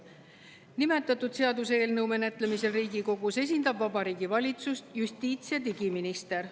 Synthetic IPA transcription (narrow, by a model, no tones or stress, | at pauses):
nime̞t̪ːˑɑt̪ːud̪̥se̞ɑd̪use̞ːlnɤwme̞net̪ˑle̞mise̞lriːɡiko̞ɡ̥use̞s̬ʲind̪̥ɑbvɑbɑɾiːɡivɑlʲit̪sust̪just̪iːt̪sijɑt̪̬iɡiminist̪e̞ɾ